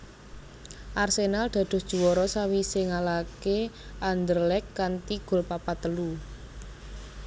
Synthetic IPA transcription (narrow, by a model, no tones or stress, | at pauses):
ʔarsenald̪̥ä̤d̪̥ɔ̤sd̥ʒ̥ṳwɔɾɔsawiseŋalakeand̪ərlɛkːant̪iɡ̥ʊ̤lpapat̪əlu